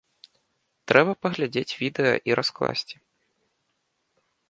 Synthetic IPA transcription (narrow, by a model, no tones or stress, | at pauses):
t̪ɾɛbɐpɐɣlʲad͡zʲet͡sʲvʲid̪ɛjɐ̰ʔiɾasklˠa̰sʲt͡sʲi̥